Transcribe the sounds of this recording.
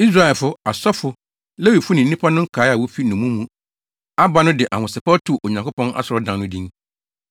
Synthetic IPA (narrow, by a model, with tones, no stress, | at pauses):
i˦s̬ɾa˦ɛ˨lfʊ˦a˨sɔ˦fʊ˨ | le˦wi˨fʊ˦nɪ̃˨n̩˦ĩ˦pʰa˦nʊ̃˦ŋ̩˦kʰaː˨˦a˨wɔ˦fi˦nʊ̃˨mũ˦mũ˦ | a˦ba˦nʊ̃˦dɪ˨ʔa˨ŋʊ̃˨sɪ˨pa˦tʰu˨ʔo˨ɲã˨kʊ˦pɔ̃˦nʔa̰˦sʊ˨ɾɔ˨˦dã˨nʊ̃˦dĩ˦ŋ